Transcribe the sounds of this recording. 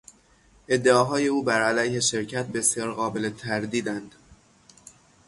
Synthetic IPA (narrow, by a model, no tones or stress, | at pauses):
ʔe̞d̪ːeɒːɦɒːje̞uːbæɾælæjhe̞ʃe̞ɾcʰæt̪̚be̞sjɒːɾɣɒːbe̞let̪ʰæɾd̪iːd̪ænd̪̥